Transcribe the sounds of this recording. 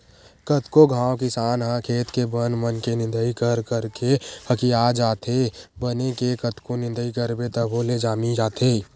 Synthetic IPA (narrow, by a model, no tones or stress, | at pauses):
kət̪koɡʱãːwkɪsaːnɦãkʰeːt̪kebənmənkenɪ̃nd̪əikəɾkəɾkehəkijad͡ʒaːt̪ʰebənekekət̪konɪ̃nd̪əikəɾbet̪əbʱoled͡ʒaːmid͡ʒaːt̪ʰeː